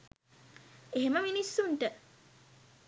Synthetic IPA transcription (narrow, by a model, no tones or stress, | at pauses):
eɦeməminisːuɳʈə